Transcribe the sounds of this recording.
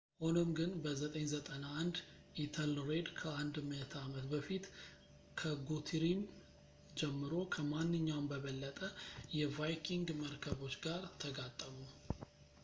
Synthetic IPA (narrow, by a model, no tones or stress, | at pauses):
ho̞nomɡɨnbəzət̪ʼəɲzət̪ʼənaːnd̪ | ʔit̪ʰəlɾed̪kʰəand̪mət̪ʰamət̪bəfit̪ | kʰəɡut̪ʰɾim | d͡ʒɛmːɨɾo̞kʰəmanːɨɲːawmbəβəlːət̪ʼəjɛvajkʰiŋɡməɾkʰəβo̞t͡ʃːɡaɾt̪ʰəɡat̪ʼːəmu